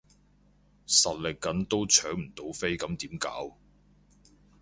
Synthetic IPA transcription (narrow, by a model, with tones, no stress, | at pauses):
sɐ˨t̚lɪ˨kːɐ˨˥nt̪o˥wt͡ʃʰœː˨˥ŋm̩˨˩t̪o˨˥wfe˥jkɐ˨˥mt̪iː˨˥mka̰ː˨˥w